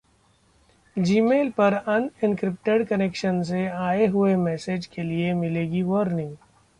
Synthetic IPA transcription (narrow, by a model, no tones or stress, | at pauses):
d͡ʒiːmeːlpɐɾɐnɪ̃nkɾɪp̚ʈeɖkɐnekʃənseaːeɦʊemɛːseːd͡ʒkeliemɪleːɡiʋɔɾnɪ̃ŋɡ